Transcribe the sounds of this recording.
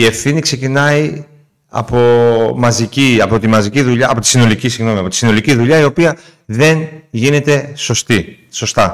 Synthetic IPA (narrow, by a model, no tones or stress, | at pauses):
ie̞fθinikse̞cinɐi | ɐ̰po̞mɐziciɐpo̞t̪imɐziciðuʎɐɐpo̞t̪i̥sino̞licisiɣno̞miɐpo̞t̪isino̞liciðuʎɐio̞piɐ | ðe̞nʝine̞t̪e̞so̞st̪i | so̞st̪ɐ